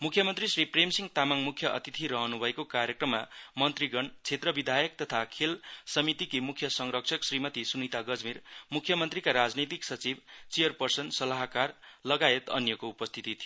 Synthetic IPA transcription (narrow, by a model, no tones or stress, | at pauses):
mukʰjʌmʌnt̪risripremsiŋɡt̪amaŋmukʰjʌʔʌ̰t̪it̪ʰiɾʌɦʌnubʱʌekokaɾjekrʌmːamʌnt̪riɡʌɳt͡sʰet̪rʌbid̪ʱajʌk̚t̪ʌt̪ʰakʰelsʌmit̪ikimukʰjʌsʌŋɾʌkt͡sʰʌksrimʌt̪isunit̪aɡʌd͡zmirmukʰjʌmʌnt̪rikaɾad͡znit̪iksʌt͡sibt͡sijʌrpʌrsʌnsʌlaɦkarlʌɡaet̪ʌ̰njʌkoupʌst̪ʰit̪it̪ʰijo